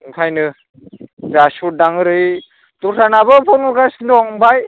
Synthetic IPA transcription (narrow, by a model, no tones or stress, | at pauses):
kʰajnɯ | zasuɾ̚daŋɯɾɯj | tusʰanabɯbɔnuɾɡasndɔŋbaj